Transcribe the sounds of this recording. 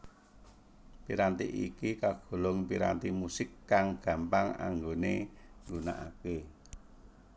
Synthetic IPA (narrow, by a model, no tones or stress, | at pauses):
piɾant̪ḭʔḭkikaɡ̥o̤lʊŋpiɾa̰nt̪imusɪkːaŋɡ̥ä̤mpaŋa̰ŋɡoneŋɡuna̰ʔa̰ke